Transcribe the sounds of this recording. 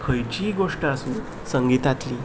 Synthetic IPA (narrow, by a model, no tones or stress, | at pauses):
kʰəjt͡ɕiːɡoʂʈasuː | səŋɡit̪at̪liː